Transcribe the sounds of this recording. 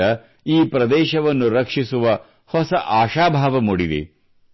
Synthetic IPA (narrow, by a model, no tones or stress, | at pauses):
ɐ | iːpɾɐd̪ɛːʃɐʋɐnːuɾɐkʂisuʋɐ | hɔsɐʔaːʃaːbʱaːʋɐmuɽid̪ḛ